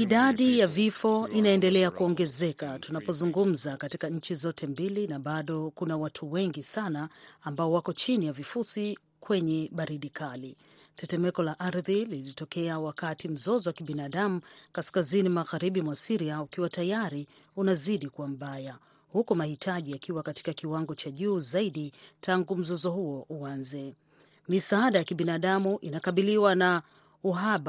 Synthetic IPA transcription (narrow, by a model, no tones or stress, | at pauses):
iɗaɗijavifɔinaɛndɛlɛakuɔŋɡɛzɛkatunapɔzuŋɡum̩zakatikaɲ̩t͡ʃizɔtʰɛmbilinaɓaɗɔkunawatʰuwɛŋɡisanaːmbaɔwakɔt͡ʃinijavifusi | kwɛɲɛɓaɾiɗikʰali | tɛtɛmɛkɔlaʔaɾðililitɔkɛawakatim̩zɔzɔwakiɓinaɗamukaskazinimaɣaɾiɓimwasiɾiaukiwatajaɾi | unaziɗikuwam̩ɓaja | hukumahitʰaʄiakiwakati̥kakiwaŋɡɔt͡ʃaʄuːzaiɗitʰaŋɡum̩zɔzɔhuɔʔuanzɛ | misaaɗajakiɓinaɗamuʔinakaɓiliwana | uɦaɓa